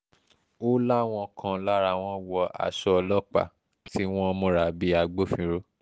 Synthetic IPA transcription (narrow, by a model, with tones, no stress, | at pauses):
o˦la˦w̃ɔ̃˧kʰã˧la˦ɾa˧˨w̃ɔ̃˦wɔ˧ʔa̰˨ʃɔ˧˦˧lɔ˦k͡pa̰˨ | ti˦w̃ɔ̃˦mõ˧˦ɾa˨bi˧˦a˧ɡ͡bo˦fĩ˧ɾo˦